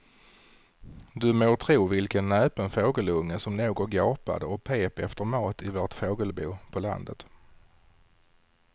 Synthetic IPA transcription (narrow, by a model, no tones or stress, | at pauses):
d̪ɵmoːt̪ʰɾuːvɪlkənːœːpənfoːɡəlɵŋːəsɔmnoːɡɔt̪ɡɑːpa̰d̪əɔk̚pʰeːpɛft̪əɾmɑːt̪ɪvoːʈfoːɡəlbṵːpʰɔla̰nd̪ət̪